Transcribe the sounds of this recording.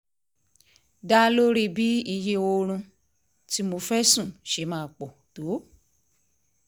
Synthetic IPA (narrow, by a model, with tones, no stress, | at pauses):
da˦lo˦ɾi˦˨bi˨˦i˧je˧˦o˧ɾ̃ũ˧ | ti˦mo˧fɛ˦sũ˦˨ʃe˨˦mãː˦˨k͡po˨to˨˦